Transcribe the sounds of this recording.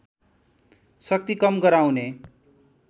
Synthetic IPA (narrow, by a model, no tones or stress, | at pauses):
sʌk̚t̪ikʌmɡʌɾaw̃ne